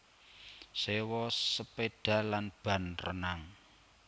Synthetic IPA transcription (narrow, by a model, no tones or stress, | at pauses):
sewɔsəpeɖ̥a̤lanb̥ä̤nrə̰naŋ